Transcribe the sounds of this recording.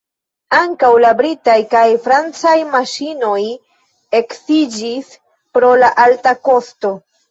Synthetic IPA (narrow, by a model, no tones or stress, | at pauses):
aŋkawlabɾitajkajfɾant͡sajmaʃino̞j | e̞ksid͡ʒis | pɾo̞laʔaltako̞sto̞